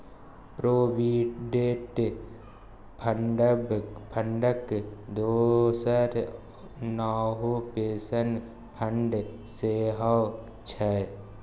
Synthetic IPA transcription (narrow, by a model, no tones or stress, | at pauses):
pɾoːbiɖeːʈ | pʰəɳɖbpʰəɳɖəkd̪oːsəɾ | naːɦopeːsən | pʰəɳɖ | seːɦaw | t͡ʃʰɛ